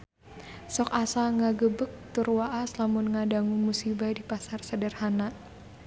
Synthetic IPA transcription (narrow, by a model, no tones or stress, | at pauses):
sɔk̚asaŋaɡəbək̚t̪urwaʔaslamʊnŋadaŋumusibadipasarsədərhana